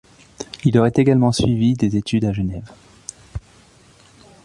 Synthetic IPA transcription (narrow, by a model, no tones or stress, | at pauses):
ilɔʁɛt̪eɡalmɑ̃sɥivid̪ezet̪ʰyd̪aʒənɛv